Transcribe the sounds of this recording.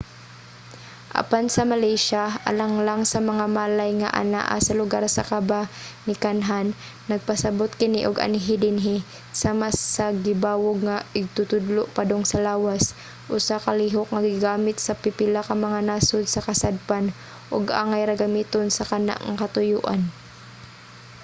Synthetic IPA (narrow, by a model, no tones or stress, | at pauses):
ʔa̰pansɐmalɛjʃaʔa̰laŋlaŋsɐmɐŋamaːlajŋa̰ʔa̰na̰ʔa̰sɐlʊɡaɾsɐkabanɪkanɦanː | ɐɡ̚pɐsɐbot̪kɪniʔʊɡa̰nɪɦɪd̪ɪnɦɪ | samasːɐɡɪbaːwoɡ̚ŋaɪɡ̚t̪ʊt̪ʊd̪loʔpad̪oŋsɐlaːwas | ʔʊsakɐliːɦok̚ŋɐɡɪɡaːmɪt̪sɐpɪpɪlakɐmɐŋanaːsʊd̪sɐkɐsad̪̚pan | ʔʊɡʔa̰ːŋajɾɐɡɐmiːt̪onsɐkɐna̰ʔŋakɐt̪ʊjuːʔa̰n